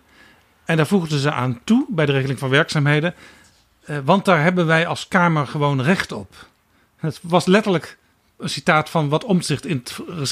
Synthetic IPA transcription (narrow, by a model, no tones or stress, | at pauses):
ɛndaːɹvuχdəzəʔa̰ːntubɛjdəreχəlɪŋvɑnʋɛɹksaːmɦejdən | ʋɑnt̚daːɹɦɛbənʋɛjɑlˠskaːməɹχəʋownrɛχtɔp | ətʋɑslɛtəɹlək | ənsitaːtfɑnʋɑtɔmzɪχtɪnətrə